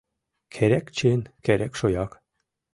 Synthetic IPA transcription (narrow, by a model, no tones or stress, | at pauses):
kʰæɾækt͡ɕenkæɾækʃojɑk